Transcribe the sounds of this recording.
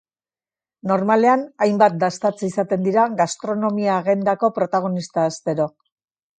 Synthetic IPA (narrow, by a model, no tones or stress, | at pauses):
no̞ɾmale̞anajmbat̪̚d̪ast̪at͡sisat̪e̞nd̪iɾaɣast̪ɾo̞no̞miaːɣe̞nd̪ako̞pɾo̞t̪aɣ̞o̞nist̪aːst̪e̞ɾo̞